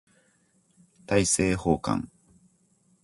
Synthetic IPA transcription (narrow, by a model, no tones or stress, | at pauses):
t̪aise̞ːhoːkã̰ŋ